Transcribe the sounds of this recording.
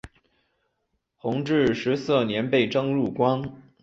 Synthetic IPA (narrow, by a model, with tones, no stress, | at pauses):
xʊ˧˥ŋʈ͡ʂɻ̩˥˩ʂɻ̩˧˥sɤ˥˩njɛ˧˥npe˥˩ɪʈ͡ʂɤ˥ŋɻu˥˩kwa˥n